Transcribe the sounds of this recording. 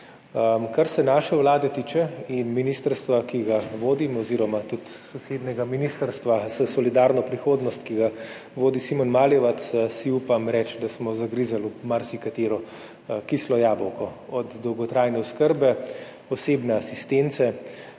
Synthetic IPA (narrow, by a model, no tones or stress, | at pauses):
əkaɾsɛnaːʃɛwlaːd̪ɛt̪iːt͡ʃɛinminist̪əɾst̪ʋakiɡaʋoːd̪imɔɔziːɾɔmat̪ut̪ | sɔseːd̪nɛɡaminiːst̪əɾst̪ʋazəsɔlid̪aːɾnɔpɾixoːd̪nɔst̪kiɡa | ʋoːd̪isimɔnmaːljɛʋat̪ssiupamɾɛt͡ʃd̪asmɔzaɡɾizalumaɾsikat̪eːɾɔ | kislɔjaːbɔwkɔɔd̪d̪ɔwɡɔt̪ɾajnɛuskəɾbɛ | ɔseːbnɛasist̪ent̪sɛ